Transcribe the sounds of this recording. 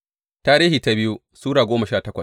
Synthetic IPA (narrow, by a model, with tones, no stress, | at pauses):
taː˦ɾiː˦hiː˨ta˦bɪ˦ju˦ | suː˦ɽaː˨ɡʷoː˦mɐ˨ʃaː˦˨tɐ˦kʷɐ˨s